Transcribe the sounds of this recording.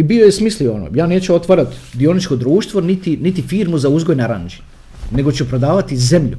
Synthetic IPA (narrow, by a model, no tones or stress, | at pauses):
ibio̞jesmislio̞no̰ːjaːne̞ːt͡ɕuot̪ʋaɾat̪d̪io̞nit͡ʃko̞d̪ɾuːʃt̪ʋo̞nit̪init̪ifiːɾmuzauzɡo̞jneɾa̰nd͡ʒi̥ | ne̞ɡo̞t͡ɕupɾo̞d̪aːʋat̪ize̞mʎṵ